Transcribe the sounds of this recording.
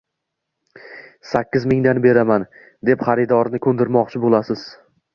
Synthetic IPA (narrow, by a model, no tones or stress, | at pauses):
sakʲːɪzmɪŋd̪anbe̞ɾaman | d̪e̞pχɑɾɪd̪ɒɾnɪkʲʰɵnd̪ɪɾmɒqt͡ʃʰɪbolasɪz̥